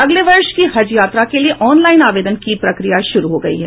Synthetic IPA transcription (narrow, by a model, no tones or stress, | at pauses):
ɐɡleʋɐɾʃkiɦɐd͡ʒjaːt̪ɾakelieʔɔːnlaːɪnaːʋeːd̪ənkipɾɐkɾijaʃʊɾuɦoɡɐḭɦɛ̰ː